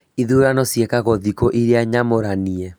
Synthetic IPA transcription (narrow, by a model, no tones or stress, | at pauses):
iðuɾanɔsjɛkaɣɔðikɔʔiɾeaɲamoɾaniɛ